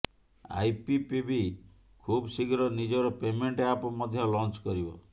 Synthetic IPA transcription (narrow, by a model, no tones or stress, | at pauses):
a̰jpipibi | kʰubsiɡɾɔnid͡ʒɔɾɔpemeɳʈeapɔmɔd̪ʱjɔlɔnt͡ʃkɔɾibɔ̰